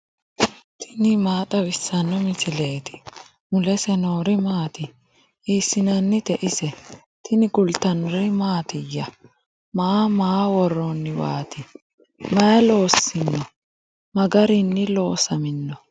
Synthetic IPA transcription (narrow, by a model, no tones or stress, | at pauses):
t̪ʰɪnɪmaːt̪ʼɐwɪsːɐnːɔmɪsɪle̞ːt̪ʰɪ̥ | mʊlɛsɛnoːɾɪmaːt̪ɪ | iːsːɪnɐnːɪt̪ɛʔɪsɛ | t̪ɪnɪɡʊlt̪ɐnɾɪmaːt̪ɪjːɐ | maːmaːwɔrːonːɪwa̰ːt̪ɪ | mɐɛlo̞ːsːɪnːɔ | mɐɡɐɾɪnːɪlo̞ːsɐmɪnːɔ